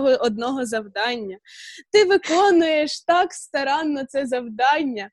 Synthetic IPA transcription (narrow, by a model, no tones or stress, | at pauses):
ɦɔʔɔd̪̚nɔɦɔzɐwd̪ɑnʲːɐt̪ɪʋɪkɔnʊjeʃt̪ɑkst̪ɐɾɑnːɔt̪sɛzɐwd̪ɑnʲːɐ